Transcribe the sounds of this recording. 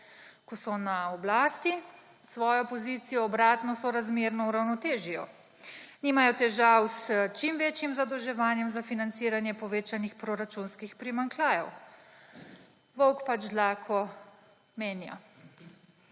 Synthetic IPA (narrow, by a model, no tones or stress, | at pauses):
kɔsɔnaɔblaːst̪i | sʋɔːjɔpɔziːt̪sijɔːbɾaːt̪nɔsɔɾazmeːɾnɔuɾawnɔt̪eːʒijɔ | niːmajɔt̪ɛʒawst͡ʃimʋeːt͡ʃjimzad̪ɔwʒɛʋaːnjɛmzafinant̪siːɾanjɛpɔʋeːt͡ʃanixpɾoɾat͡ʃunskixpɾimaŋklaːjɛ̰w | ʋɔwkpat͡ʃd̪laːkʰɔ | meːnja̰